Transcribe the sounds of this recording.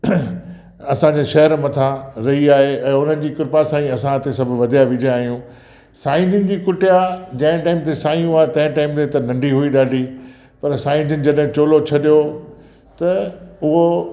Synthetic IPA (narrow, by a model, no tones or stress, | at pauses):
ɐsãd͡ʑeʃɐɦəɾmɐt̪ʰãɾɐɦiaːɦeɛ̃ːʊn̤ənɪ̆d͡ʑiːkʊɾpasãːĩɐsãt̪esɐbʱʊ̆ʋɐd̪ʱijaʋɪd͡ʑẽaːɦijũ | saːɪ̃nd͡ʑɪnɪ̆d͡ʑiːkʊʈɪjad͡ʑɐ̃ɦɪ̃ʈaːɪmt̪ʰesaːĩũaːt̪ɐ̃ɦɪ̃ʈaːɪmt̪ʰet̪ɐnɐ̃ɳɖiɦuiɗaːɖʱi | pɐɾsãːɪ̃nd͡ʑɪnɪ̆d͡ʑɐɗɦɪ̃t͡ɕoːlot͡ɕʰɐɗijo | t̪ɐʊɦo